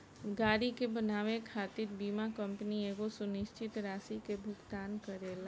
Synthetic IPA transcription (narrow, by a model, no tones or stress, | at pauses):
ɡaːɾikebənaːʋekʰaːt̪ɪɾbiːmakə̃mpnieːɡosʊnɪʃt͡ʃɪt̪ɾaːsikebʱʊɡt̪aːnkəɾeːl